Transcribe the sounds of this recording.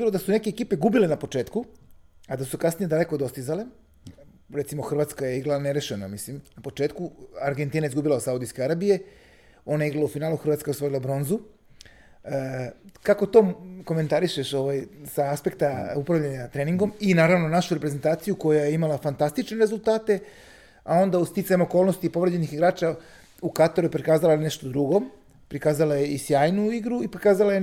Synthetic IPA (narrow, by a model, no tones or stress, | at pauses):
bilo̞d̪asune̞ke̞ːkiːpe̞ɡubile̞napo̞t͡ʃe̞ːt̪kuad̪asukasnije̞d̪ale̞ko̞d̪o̞st̪izale | ɾet̪simo̞xr̩ʋat̪skajeiɡlaneɾeʃenamislimnapo̞t͡ʃe̞ːt̪kuaɾɡe̞nt̪iːnaizɡubilasaud̪ijske̞aɾabije̞ | o̞najeiɡlaloufinaːluxɾr̩ʋaːt̪skajeost̪oɾilabɾo̞nzu | kako̞t̪o̞ko̞me̞nt̪aɾiʃeʃo̞ʋajsaaspe̞kt̪aupɾaʋʎaɲat̪ɾeːniŋɡo̞minaːɾaʋnonaʃuɾepɾeze̞nt̪aːt̪sijuko̞jajeimalafant̪ast̪it͡ʃne̞ɾe̞zulˠt̪aːt̪e̞ | ao̞nd̪aust̪it̪saɲmo̞ko̞ːlˠno̞st̪ipo̞ʋɾed͡ʑe̞nixiɡɾaːt͡ʃa | ukat̪aɾujepɾikaːzalane̞ʃt̪o̞d̪ɾuɡo̞ | pɾikaːzalajeisjaːjnuiɡɾuipokaːzalaje